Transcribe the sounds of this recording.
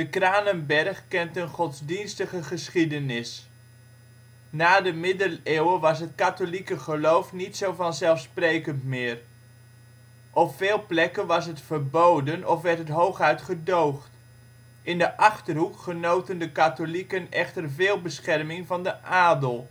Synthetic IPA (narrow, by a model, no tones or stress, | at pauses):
dəkraːnənbɛrχkɛntənχɔtzdinstəχəχəsχidənɪs | naːdəmɪdəleːwəʋɑsɦət̚katolikəχəlowfnitsowvɑnzɛlˠfsprejkəntmɪːr | ʔɔpfeːlˠplɛkənʋɑsɦətfərbowdənɔfʋɛɹtɦətɦowχɦœɥtχədowχt | ʔɪndəʔɑχtərɦukχənowtəndəkatolikənɛχtərvɪːlˠbəsχɛrmɪŋvɑndəʔaːdəlˠ